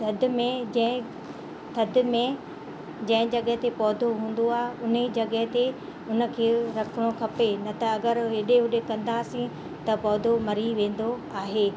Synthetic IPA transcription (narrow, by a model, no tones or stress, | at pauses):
t̪ɐd̪ʱɪmẽd͡ʑɐ̃ɦɪ̃ | t̪ʰɐd̪ʱɪmẽ | d͡ʑɐ̃ɦɪ̃d͡ʑɐɠəɦɪt̪epɔːd̪ʱoɦũːn̆d̪oaːɦeʊned͡ʑɐɠəɦɪ̃t̪e | ʊnə̆kʰeːɾɐkʰəɽ̃okʰɐpenɐt̪ɐɐɡəɾɦeɗeɦʊɗekɐ̃nd̪aːsĩ | t̪ɐpɔːd̪ʱomɐɾiʋẽːn̆d̪oaːɦeː